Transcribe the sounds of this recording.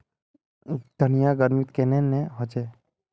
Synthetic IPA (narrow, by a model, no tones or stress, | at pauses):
d̪̥ʱənijaɡəɾmɪt̪kenenẽɦot͡ʃeː